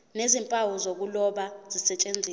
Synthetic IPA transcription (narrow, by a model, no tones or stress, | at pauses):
nezimpʼawuzok̬ulɔɓaz̥isɛt͡ʃʼend͡zʱiː